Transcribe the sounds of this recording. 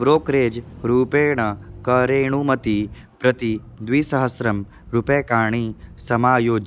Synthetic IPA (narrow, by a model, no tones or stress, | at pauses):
ʋɾoːkɾeːd͡ʒɾuːpeːɳɐkɐɾeːɳ̃umɐt̪i | pɾɐt̪i | d̪ʋiːsɐɦɐsɾɐm | ɾupeːkaːɳ̃isɐmaːjoːd͡ʒ